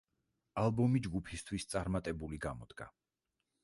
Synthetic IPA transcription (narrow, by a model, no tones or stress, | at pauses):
alˠbɔmid͡ʒɡupʰist̪ʰwist̪sʼaɾmat̪ʼɛbuliɡamɔd̪̥ɡa̰